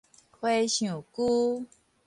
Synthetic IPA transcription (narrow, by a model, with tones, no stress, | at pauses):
kʰwe˦ɕjũ˨˩ku˦